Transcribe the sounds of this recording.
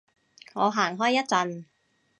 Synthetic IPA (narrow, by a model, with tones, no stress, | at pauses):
ŋɔː˨˧ɦaː˨˩ŋɦɔː˥˩jːɐ˥t̚t͡sɐ˧n